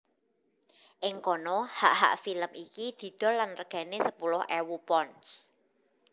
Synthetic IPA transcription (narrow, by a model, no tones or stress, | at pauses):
ʔɪŋkɔnɔhaʔɦa̰ʔfiləmʔikid̪̥i̤d̪̥ɔ̤lanrəɡ̥ä̤nesəpulʊhʔɛwupɔns